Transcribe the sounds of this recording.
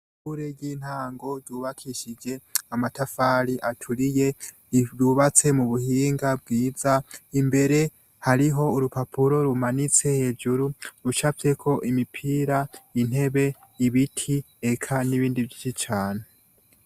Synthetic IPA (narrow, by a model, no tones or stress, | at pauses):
puɾeɟiːn̥haːŋɡo̞ɾɟuːβakʰiʃid͡ʒe̞amatafaːɾiʔatʰuɾije̞ | ɾuβat͡se̞muβuhiːŋɡab̚ɡiːzaimbe̞ɾe̞ | haɾiɦo̞uɾupapʰuɾo̞ɾumanit͡se̞he̞ːd͡ʒuɾuɾut͡ʃafe̞kʰo̞ʔimipʰiːɾain̥he̞βe̞ | iβitʰi | ekʰaniβiːndivjit͡ʃit͡ʃaːne